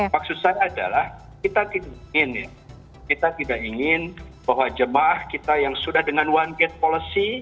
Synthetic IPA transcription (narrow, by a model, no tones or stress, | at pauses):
mak̚sʊt̪̚sajaːda̰lah | kit̪at̪idakiŋɪnja | kit̪at̪idakiŋɪnbaɦwad͡ʒəmahkit̪ajaŋsudahdəŋanwanɡɛt̪̚polisi